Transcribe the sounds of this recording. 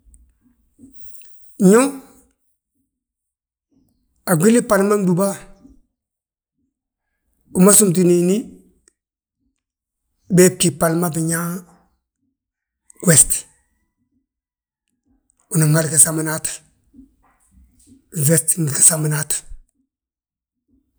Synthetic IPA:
ɲo˦ | a˨ɡʷi˦li˦pa˨lma˦ndu˨ba˦ | u˨ma˦su˦mt̬i˨ni˨ni˦ | be˦ki˨pa˨lma˦bi˨ɲa˦ | ɡwe˨st | u˨na˨ŋa˦lka˨sa˨ma˨na˦t | ve˨sti˨ŋi˨ka˨sa˨ma˨na˦t

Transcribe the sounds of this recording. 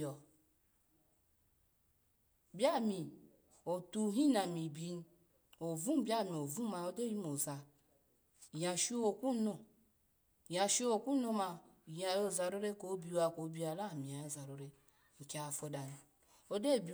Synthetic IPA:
ɔ˨ | bja˦mi˨ | o˨tu˦˨ɦi˦na˨mi˨bi˦n˦ | o˨vũ˦bja˦˨mi˨o˨vũ˦ma˨o˦de˦ji˦mo˨za˨ | ja˨ʃi˦o˨ku˦no˦˨ | ja˨ʃi˦o˨ku˦no˦ma˨ja˨jo˦˨za˨ɾo˦ɾe˦ko˨˦bi˦a˨ko˨˦bi˦a˨la˦˨mi˨a˨jo˦˨za˨ɾo˨ɾe˦ | ŋ̩˨ke˨a˨fo˦da˨n˨ | o˦de˦˨bi˨˦

